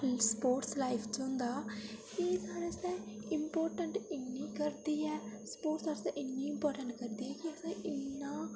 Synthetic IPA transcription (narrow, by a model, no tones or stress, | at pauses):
spoːɾʈslɐjpʰt͡ʃund̪a | iːsaːɾɐseimpoːɾʈɐɳʈinːikɐɾd̪ijespoːɾʈsaːɾɐseʔinːiːmpaːɾʈɐɳʈkɐɾd̪ijekiɐsɐʔinːa